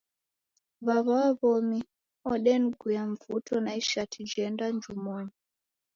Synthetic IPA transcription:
βaβawaβomi | ɔɗɛnɡʱujaɱvutʰɔnaiʃatid͡ʒɛndand͡ʒumoɲi

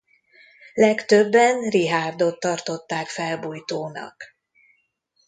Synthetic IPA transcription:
lɛkt̪ø̞bːɛnriɦaːrd̪ot̪ːɒrt̪o̞t̪ːaːkfɛlbuːjt̪oːnɒ̰k

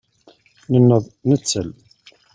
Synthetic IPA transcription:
nənːəðˤnət͡sːəl

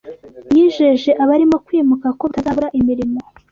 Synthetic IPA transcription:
bjiːʒeʒe̞ʔaβaɾimo̞kwiːmukako̞utazaβuɾaʔimiɾimo̞

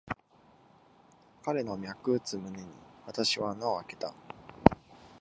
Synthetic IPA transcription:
kaɾe̞no̞mʲjakɯ̟t͡sɨmɯ̟ne̞ɲ̟ḭβat̪aɕiβanaoake̞̥t̪a

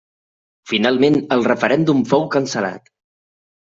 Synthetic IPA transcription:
finalˠmenəlˠrəfəɾɛnd̪umfowkənsəla̰t̪

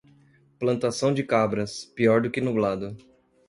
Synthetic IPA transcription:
plɐ̃nt̪asɐ̃w̃d͡ʒɪkabɾɐspiɔɾd̪ʊkɪnublad̪ʊ

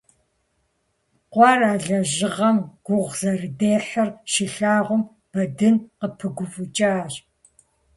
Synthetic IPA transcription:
qʷɑːraːɮɐʑɪʁɐmɡ̥ʷʊʁzɐrɨdeːɬɐrʃɪɬaːʁʷʊm | b̥ɐdɨnqəpʰɨɡʷʊfʷʼʊt͡ʃʼaːɕ

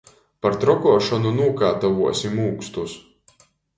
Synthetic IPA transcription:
paɾt̪ɾɔkɔːʃɔnunuːkaːt̪avuɔsʲimuːkst̪us

